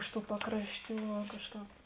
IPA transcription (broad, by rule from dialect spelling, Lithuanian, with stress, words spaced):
ˈɪʃ ˌtuː ˈpɑːkrɐʃʲˌtʲuː ʋɐ ˈkɑːʃˌkɑːp